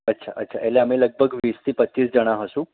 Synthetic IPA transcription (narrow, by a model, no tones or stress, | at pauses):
ətːɕʰa̰ʔətːɕʰaʔeleam̤iləɡ̚bʱəɡʋiːst̪ʰiːpətːɕiːsd͡ʑəɽ̃aɦəsũ